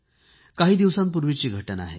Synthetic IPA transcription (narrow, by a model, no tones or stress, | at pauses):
kaɦiːd̪iʋsãmpuɾʋit͡ɕiːɡʱəʈəna̰ɦḛ